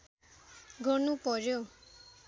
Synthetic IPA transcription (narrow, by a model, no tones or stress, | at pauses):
ɡʱɔɾnupʌɾjo